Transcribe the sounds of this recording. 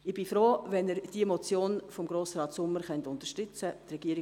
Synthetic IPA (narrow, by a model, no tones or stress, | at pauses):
ɪb̥ɪfɾoːʋɛnɛɾd̥iəmɔt͡sjoːnfɔmɡɾoːsɾɑːtsʊmːəɾχɛntʊntə̥ʃtʏt͡sətrɛɡiəɾɪ